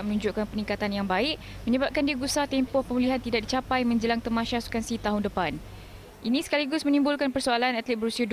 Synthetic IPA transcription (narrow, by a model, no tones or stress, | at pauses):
mənũɲd͡ʒʊʔkanpənĩŋkat̪anjaŋbaɪʔ | mə̃ɲəbap̚kandiəɡusat̪ɛmpɔhpəmuliɦant̪idak̚dit͡ʃapajmə̃ɲd͡ʒəlaŋt̪ərmãʃasu̥kansit̪aɦʊndəpan | ʔinĩsə̥kaliɡʊsmə̃nĩmbʊlkanpərsualanat̪lit̪̚bəɾusiad